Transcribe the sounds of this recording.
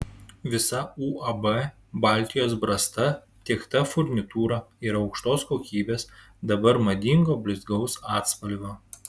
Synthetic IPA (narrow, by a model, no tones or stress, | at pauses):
ʋʲɪsɐuːɐbɛ | bɑːlʲt̪ʲɪjoːsbɾɐst̪ɐ | t̪ʲikt̪ɐfʊɾʲnʲɪt̪uːɾɑɪɾɒʊkʃt̪oːskoːkʲiːbʲeːs | d̪ɐbɐɾmɐd̪ʲiŋɡoːbʲlʲɪzɡɒʊsɑːt̪spɐlʲʋʲoː